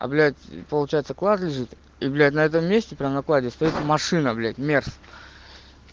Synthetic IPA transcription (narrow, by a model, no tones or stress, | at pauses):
ɐ̰blʲætʲpəlˠʊt͡ɕæjɪt̪səklˠat̪lʲɪʐɨt̪ | iblʲæt̬ʲnɐɛt̪̬əmːʲesʲtʲɪpɾʲamnɐklˠadʲɪst̪ɐjit̪mɐʂɨnəɐblʲætʲmʲers